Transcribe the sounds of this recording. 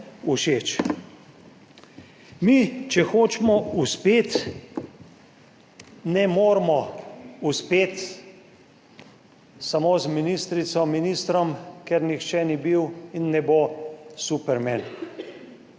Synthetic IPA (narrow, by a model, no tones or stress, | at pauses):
uʃeːt͡ʃ | mit͡ʃɛxoːt͡ʃmɔuspeːt̪ | nɛmoːɾmɔuspeːt̪ | samoːzminist̪ɾit̪sɔminist̪ɾɔmkɛɾnixt͡ʃɛnibiwinːɛbosupɛɾmɛn